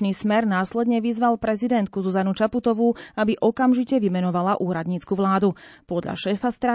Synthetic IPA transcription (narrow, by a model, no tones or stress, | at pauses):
niːsmɛɾnaːslɛd̪ɲɛʋizʋalpɾɛzid̪ɛnt̪̚kuzuzanut͡ʃaput̪ɔʋuabiʔɔkamʒicɛʋimɛnɔʋalaʔuːɾad̪ɲiːt͡skuʋlaːd̪upɔd̪ʎa̰ʃɛːfast̪ɾa